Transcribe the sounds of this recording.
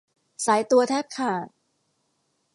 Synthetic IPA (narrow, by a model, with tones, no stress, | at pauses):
saː˩˦jt̪u˧ɐt̪ʰɛː˥˩t̪̚kʰaː˨˩t̪̚